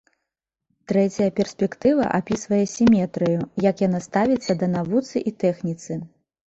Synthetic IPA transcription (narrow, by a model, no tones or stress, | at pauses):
t̪ɾɛt͡sʲɐjɐpʲɛrsʲpʲɛkt̪ɨvɐ̰ʔapʲisvɐjɛsʲimʲɛt̪ɾɨjujɐkjanast̪avʲit̪sːɐd̪ɐnavut̪sɨʔit̪ɛxnʲit̪sɨ